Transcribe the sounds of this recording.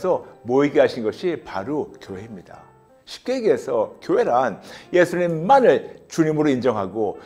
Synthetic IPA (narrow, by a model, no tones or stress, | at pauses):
sʰʌmoiɡeɦaɕʰinɡʌɕʰipaɾokjoɦe̞mɲida̰ | ɕʰi̥p̚k͈e̞ɡesʰʌkjoɦe̞ɾanje̞sʰuɲimːanɯɭt͡ɕuɲimɯɾoind͡ʑʌŋɦaɡo